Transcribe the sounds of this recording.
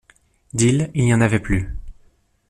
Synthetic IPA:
d̪ililjɑ̃navɛply

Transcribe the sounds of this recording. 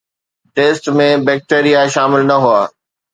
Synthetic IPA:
ʈeːsʈmẽbɛːk̚ʈeːɾijaʃaːmɪlnɐɦuaː

